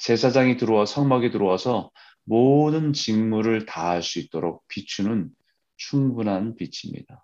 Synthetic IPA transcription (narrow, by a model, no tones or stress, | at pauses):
t͡ɕe̞sʰad͡ʑaŋitɯɾowasʰʌŋmaɡitɯɾowasʰʌ | modɯnt͡ɕinmuɾɯɭtaaɭs͈uit̚t͈oɾok̚p͈it͡ɕʰunɯn | t͡ɕʰuŋbunɦanpit͡ɕʰimɲḭd̥a